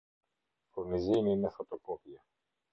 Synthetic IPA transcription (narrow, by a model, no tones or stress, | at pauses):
fuɾniziniinefot̪okopjɐ